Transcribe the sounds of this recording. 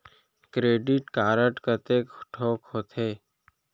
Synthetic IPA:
kɾeːɖɪʈkaːɾəʈkət̪eːkʈʰoːkhoːt̪eː

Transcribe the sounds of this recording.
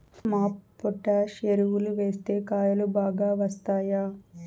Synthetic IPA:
maːpːɔʈːaːʃeɾuwuluʋe̞ːst̪e̞ːkaːjɐlubaːɡaːʋɐst̪aːjaː

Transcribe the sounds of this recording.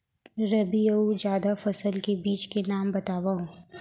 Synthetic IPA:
ɾɐbijəud͡ʒjaːd̪afɐsəlkebiːt͡ʃkenaːmbɐt̪aːʋaɦũː

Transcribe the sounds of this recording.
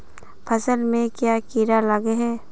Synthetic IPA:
pʰəsəlmẽkjaːkiːɾalaɡeɦɛː

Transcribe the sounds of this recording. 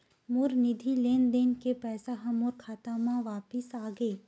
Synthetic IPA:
mʊɾnɪd̪ʱileːnd̪eːnkepɛːsaɦɐmʊɾkʰaːt̪amãʋaːpɪsaːɡəeː

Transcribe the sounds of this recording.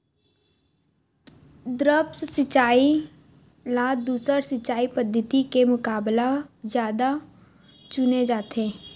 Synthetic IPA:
d̪ɾəpssɪt͡ʃaːi | laːd̪uːsəɾsɪt͡ʃːt͡ʃaːipəd̪ʱːət̪ikemʊkaːblazjaːd̪a | t͡ʃʊned͡ʒaːt̪ẽː

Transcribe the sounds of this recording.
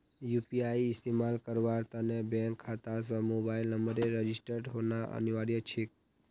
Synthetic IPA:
jupiaiɪst̪emalkəɾʋaɾt̪anebɛ̃ŋkʰːat̪as̬əmobailnəmbəɾeɾəd͡ʒisʈəɾɖɦonaʔə̰niʋaɾijət͡ʃʰek̚

